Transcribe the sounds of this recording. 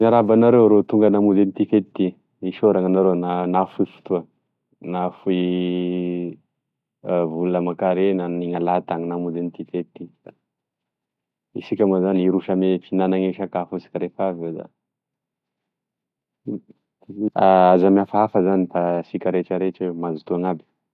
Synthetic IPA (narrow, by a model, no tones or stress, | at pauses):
ɲaɾabanaɾewɾot̪uŋɡənamud̪enit̪ifet̪t̪i | iʃoɾaŋanaɾenanafuifu̥t̪uə | nafui | vuləmakaɾenaniŋalat̪aŋinamud̪enit̪ifet̪t̪i | isikʲamazaniɾuʃamefinanaŋeʃakafusi̥kʲaɾefavod̪a̰ | aazamiafaafəzanit̪asikʲaɾeʈ͡ʂəɾeʈ͡ʂemazut̪uaŋabi̥